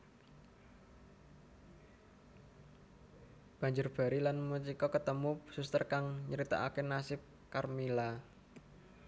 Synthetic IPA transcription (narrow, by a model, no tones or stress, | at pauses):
b̥a̤ɲd͡ʒʊrb̥a̤ɾilanmut͡ʃikɔkət̪əmusust̪ərkaŋɲəɾit̪a̰ʔakenasɪp̚ | karmila